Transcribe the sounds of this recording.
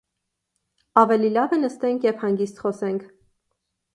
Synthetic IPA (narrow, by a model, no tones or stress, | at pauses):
ɑvɛlilɑvənəst̪ɛŋkʰjɛvhɑŋɡist̪χɔsɛŋkʰ